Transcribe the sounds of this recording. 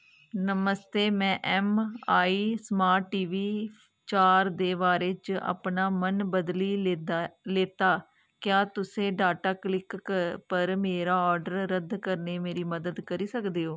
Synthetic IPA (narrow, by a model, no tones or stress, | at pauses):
nəməst̪eːmɛ̃ːʔɛːmaːiːsəmaːʈːiːʋiː | t͡ʃaːɾd̪eːʋaːɾeːt͡ʃa̰ːpnaːmənbəd̪liː | leːt̪aː | kjaːt̪ʊsẽːɖaːʈaːklɪkpəɾmeːɾaːɔːɾɖəɾːəd̪kəɾneːmeːɾiːməd̪əd̪kəɾiːsəkd̪eːɦoː